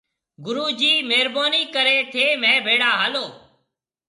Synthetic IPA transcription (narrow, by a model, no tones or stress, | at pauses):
ɡʊɾuːd͡ʒiːmeːɾboːniːkəɾeːt̪ʰeːmẽːbʱeːɽaːɦaːloː